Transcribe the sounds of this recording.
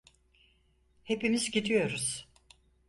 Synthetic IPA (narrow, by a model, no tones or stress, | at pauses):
he̞pimizɟid̪ijo̞ɾuz̥